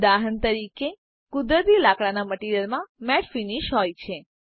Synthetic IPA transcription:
d̪aɦənt̪əɾike | kʊd̪ɾət̪ilakɭanaməʈiɾəlmãmɛʈfiniʃɦɔjt͡ʃʰe

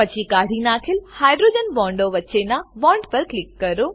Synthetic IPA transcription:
pɐt͡ɕʰikaːɽ̤inaːkʰɪlhaːɪɖɾoːd͡ʑənbɔ̃ːɳɖoʋɐtːt͡ɕenãbɔ̃ːɳɖpɐɾklɪkːɐɾoː

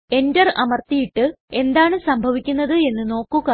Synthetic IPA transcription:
e̞ndɐrʔɐmɐrt̪ijiʈːɨ | e̞nd̪aːɳɨsɐmbʱɐʋikʲːunːɐðɨe̞nːɨno̞ːkːuɣɐ

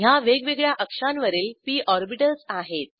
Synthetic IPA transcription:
jaʋeɡʋeɡɭjaʔəkʂanʋəɾiːlpiːʔɔɾbiʈəlsaɦet̪̚

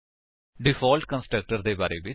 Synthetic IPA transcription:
ɖɪfɔːlʈkə̃nsʈɾək̚ʈəɾd̪eːba̰ːɾḛːʋɪ

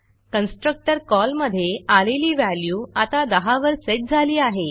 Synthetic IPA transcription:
kənsʈɾək̚ʈəɾkɔlməd̪ʱːjealeliːʋæljuːat̪ad̪əɦaʋəɾseʈ̚d͡zʱaliːaɦe

